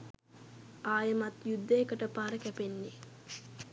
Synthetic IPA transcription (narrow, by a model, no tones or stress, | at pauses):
ʔaːjəmat̪jud̪ːejːkəʈəpaːɾəkæpenːe